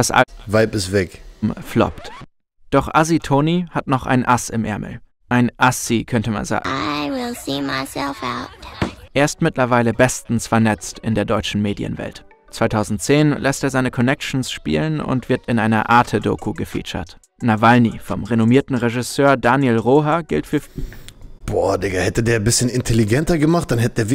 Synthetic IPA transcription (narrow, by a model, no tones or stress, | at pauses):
d̥asʔa̰vaɪpɪstvɛkmflɔ̰pt | d̥ɔχʔazitʰoːnihatnɔχʔa̰ɪnnʔasɪmʔɛɐml̩ | ʔaɪnʔasikʰœntəma̰nza̰ːʔaɪwɪlˠsiːmaɪsɛlˠfaʊtʔeːɐɪstmɪtlɐvaɪləbɛstn̩sfɛɐnɛt͡stɪndeːɐdɔʏt͡ʃn̩meːdjə̰nvɛ̰lt | t͡sv̥aɪtʰaʊzn̩t̚t͡seːnlʔɛsteːɐzaɪnəkʰɔnɛk̚ʃn̩sʃpḭːlənʊ̰ntv̥ɪɐtɪnʔaɪnɐ̰ʔaɐtʰədo̰ːkʰuɡəfḭːt͡ʃɐ̰t | navalnifɔmʁenʊmiːɐtn̩ʁeʒɪsøːɐdaːnjelʁoːɦɐɡɪltfyːɐ | b̥ɔːdɪɡɐhɛtədeːɐbɪsçənɪntʰeliɡɛntɐɡəmaχt̚d̥anɦɛtədeːɐv